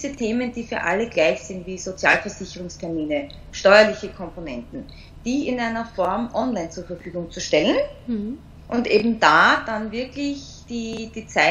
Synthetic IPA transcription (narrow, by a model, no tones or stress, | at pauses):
zətʰeːmənd̥iːfyːɐʔa̰ləɡlaɪçsɪntviːzot͡sja̰ːlfɛɐz̥ɪçəʁ̞ʊŋstʰɛɐmiːnə | ʃtɔʏɐlɪçəkʰɔmponɛntn̩ | d̥iːɪnʔaɪnɐfɔɐmʔɔnlaɪnt͡suːɐfɛɐfyːɡʊŋt͡suʃtɛlən | ʔʊndʔeːbm̩d̥aːd̥anvɪɐklɪç | d̥iːd̥iːt͡saɪ